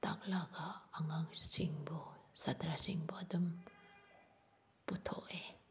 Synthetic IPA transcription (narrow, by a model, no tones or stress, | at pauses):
ta̰k̚laɡaːŋaŋsiŋbɔsatɾasiŋbɔadɯm | putʰɔ̰ʔe